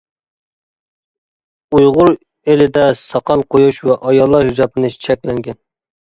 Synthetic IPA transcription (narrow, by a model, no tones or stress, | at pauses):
ujʁʊɾ | elɪd̪ɛsɑqʰɑlˠqʰojuʃwɛʔɑjɑlˠːɑɾhyd͡ʒɑpɨnɨt͡ʃʰɛkʲlɛŋɡʲɛn